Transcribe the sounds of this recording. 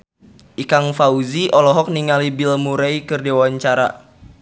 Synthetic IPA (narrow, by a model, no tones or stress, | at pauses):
ʔikaŋfauziʔɔlɔɦɔk̚niŋalibilmuɾaikɨrdewaɲt͡ʃaɾa̰